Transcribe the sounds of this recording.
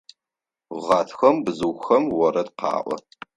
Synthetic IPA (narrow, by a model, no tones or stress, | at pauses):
ʁɑːtʰxɐmbzɨxɐmwɔɾɐdqɑ̰ːʔʷɔ̰